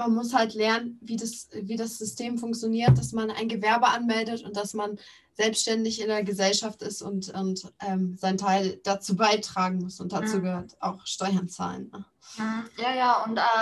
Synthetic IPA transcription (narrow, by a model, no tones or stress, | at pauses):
manmʊshaltlɛɐnənviːdasviːdasz̥ʏstʰeːmfʊŋkt͡sjoniːɐt̚d̥asmana̰ɪnɡəvɛɐbəʔanmɛldətʊnt̚d̥asman | z̥ɛlpstʃtɛndɪçɪndeːɐɡəzɛlʃaftɪstʊntʔʊntʔɛːmzaɪntʰaɪld̥at͡suːbaɪtʁ̥aːɡŋ̩mʊsʊnt̚d̥at͡suːɡəhøːɐtʔa̰ʊxʃtɔʏɐnt͡sa̰ːlənːə | jaːjaːʊntɛː